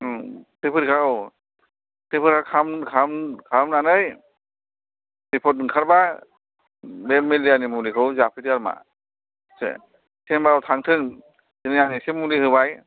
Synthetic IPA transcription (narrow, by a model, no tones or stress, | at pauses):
tɯpʰɯɾkʰaw | tipʰɯɾkʰawkʰamkʰamkʰamnanɯj | dipʰɔt̚ɯŋkʰaɾba | bemːelianimulikʰɯwzapʰitiaɾma̰ | sḛ | sembaawtʰaŋtʰɯŋ | sɯnijanisemulihɯbaj